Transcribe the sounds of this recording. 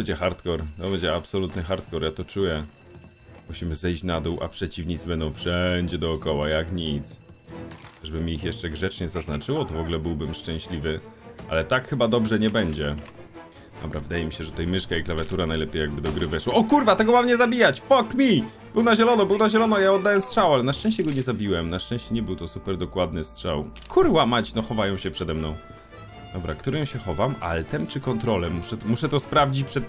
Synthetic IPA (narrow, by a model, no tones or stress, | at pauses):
bɛɲd͡ʑɛxaɾt̪kɔɾt̪ɔbɛɲd͡ʑɛapsɔlut̪nɘxaɾt̪kɔɾjat̪ɔt͡ʂujɛ | muɕimɘzɛjɕt͡ɕnad̪uwʔa̰pʂɛt͡ɕivɲit̪sbɛnd̪ɔ̃w̃fʂɛɲd͡ʑɛd̪ɔːkɔwajakɲit̪s | ʐɛbɘmʲiixjɛʂt͡ʂɛɡʐɛt͡ʂɲɛzaznat͡ʂɘwɔt̪ɔvɔɡulɛbɘwbɘmʂt͡ʂɛ̃ɕlʲivɘʔa̰lɛt̪akxɘbad̪ɔbʐɛɲɛbɛɲd͡ʑɛ | d̪̥ɔ̰bɾa̰vɘd̪ajɛmʲiɕɛʐɛt̪t̪ɛjmɘʂkaiklavʲjat̪uɾanajlɛpʲjejaɡ̚bɘd̪ɔɡɾɘvɛʂwaɔkuɾvat̪ɛɡɔmamɲɛzabʲijat͡ɕfɔkmʲi | bɘwnaʑɛlɔnɔbɘwnaʑɛlɔnɔjaɔd̪ːawɛmstʂawalɛnaʂt͡ʂɛ̃ɕt͡ɕɛɡɔɲɛzabʲiwɛmnaʂtt͡ʂɛ̃ɕt͡ɕɛɲɛbɘwt̪ɔsupɛɾd̪ɔkwad̪̚nɘstʂawkʰuɾwamat͡ɕnɔxɔvajɔ̃w̃ɕɛpʂɛd̪ɛmnɔ̃w̃ | d̪ɔbɾakt̪uɾɛmɕɛxɔvama̰lɛt̪ɛmt͡ʂɘkɔnt̪ɾɔlɛmuʂɛmuʂɛt̪ɔspɾavd͡ʑit͡ɕpʂɛt̪